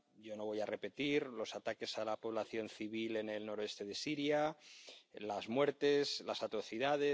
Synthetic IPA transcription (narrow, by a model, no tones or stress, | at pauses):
ɟ͡ʝo̞no̞βo̞jare̞pe̞t̪iɾlo̞sat̪ake̞salapo̞β̞laθjo̞nθiβ̞ile̞ne̞lno̞ɾoe̞st̪e̞ðe̞siɾja | lazmwe̞ɾt̪e̞slasat̪ɾo̞θiðaðe